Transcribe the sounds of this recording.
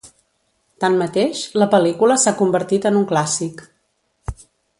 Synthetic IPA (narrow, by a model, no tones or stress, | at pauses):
t̪anmət̪eʃləpəlikuləsakumbəɾt̪it̪ənuŋklasik